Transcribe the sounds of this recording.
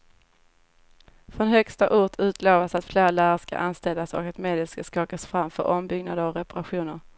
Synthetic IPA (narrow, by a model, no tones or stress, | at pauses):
fɾɔnɦœkst̪aʔʊʈʰʉ̟ːt̪ʰloːvasat̪fleːɾaɭæːɾəʂka̰ʔanst̪ɛld̪asɔ̰kat̪meːd̪ɛlskaskɑːkasfɾamfœ̰ɾʔɔmbʏɡnad̪əɾɔɾɛpaɾaɧuːnəɾ